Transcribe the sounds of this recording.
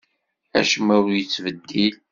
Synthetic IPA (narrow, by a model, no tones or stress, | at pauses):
æ̰ʃəmæwjət͡sːvəd̪ːil